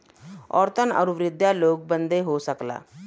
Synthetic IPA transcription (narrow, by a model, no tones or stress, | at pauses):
ɔ̰ːɾt̪ʰənə̰ɾuʋɾɪd̪jaloːk̚bənd̪eɦosəkla̰ː